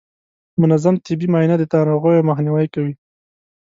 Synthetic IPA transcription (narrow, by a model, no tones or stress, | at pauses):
mʊnazamt̪ɪbimɑjnad̪ət̪ɑɾoɣojomaxniwajkawi